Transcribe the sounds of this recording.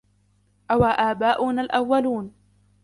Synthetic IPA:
ʔawaːʔaːbaːʔuːnalʔawːaluːn

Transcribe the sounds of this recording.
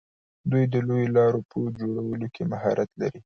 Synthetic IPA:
d̪ujd̪əlojolɑɾopʰəd͡ʒoɽawəlokʰemahɑɾʔat̪la̰ɾi

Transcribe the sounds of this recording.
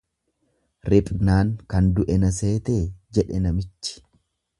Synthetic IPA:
ɾɪpʼnaːŋkɐnd̪ʊʔɛnɐs̬eːt̪eːd͡ʒɛᶑɛnɐmɪt͡ʃːɪ̥

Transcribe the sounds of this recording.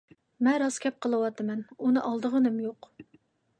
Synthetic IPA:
mɛnɾɑskʲɛp̚qʰəlˠɨwɑt̪ɨmɛnunɨʔɑlˠd̪əʁənɨmjoq

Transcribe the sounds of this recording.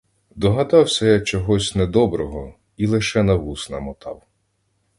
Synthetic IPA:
d̪ɔɦɐd̪ɑwsʲɐjak̚t͡ʃɔɦɔsʲnɛd̪ɔbɾɔɦɔ | ilˠɪʃɛnɐʋusnɐmɔt̪ʰɑ̰w

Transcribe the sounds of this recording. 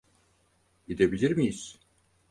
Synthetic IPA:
id̪ebilʲiɾmijiz̥

